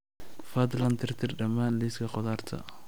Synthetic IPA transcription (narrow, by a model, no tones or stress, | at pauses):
fad̪lɐnt̪ʰɪrt̪ʰɪrɖɐmaːnliskʰɐqɔðaːrt̪ʰɐ̰